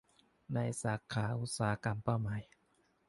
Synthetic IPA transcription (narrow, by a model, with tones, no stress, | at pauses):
na˧jsaː˩˦kʰaː˩˦ʔu˦˥t̪̚saː˨˦a˦ka˧mpa˥˩wmaː˨˦j